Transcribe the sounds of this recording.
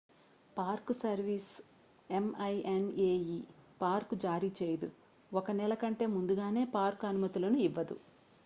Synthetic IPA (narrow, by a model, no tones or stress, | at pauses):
paːɾksɐɾʋiːs | e̞mɐjeneːjipaːɾkud͡ʒaːɾiːt͡ʃeːjɐd̪u | ɔkɐnɛlɐkɐɳʈe̞ːmund̪uɡaːne̞ːpaːɾkɐnumɐt̪ulɐnuiʋːɐd̪ṵ